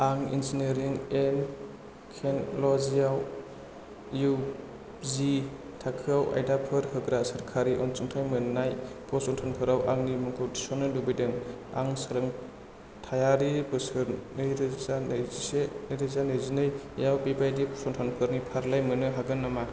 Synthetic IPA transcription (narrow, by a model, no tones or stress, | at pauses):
aŋḭnzineɾiŋen | kʰenlɔzijaw | ju | zi | tʰakʰɯawʔa̰jdapʰɯɾhɯɡɾasɯɾkʰaɾiʔɔnt͡ʃuŋtʰajmɯnnajpʰɔsɔntʰanpʰɯɾawʔaŋnimɯŋkʰodisɔnːɯlubidɯŋ | a̰ŋsɯɾɐŋ | tʰajaɾibɯsɯɾnɯjɾzanjzisenjɾɯzanɯjzinɯjjawpibajdipʰɔsɔntʰanpʰɯɾnipʰaɾlajmɯnɯɦaɡɯnːama